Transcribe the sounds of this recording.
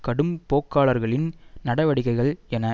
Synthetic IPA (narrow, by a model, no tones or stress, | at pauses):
kɐɽɯmpoːkːaːɭɐɾɣɐɭɪnnɐɽɐʋɐɽɪɣɐɪɣɐɭɛnɐ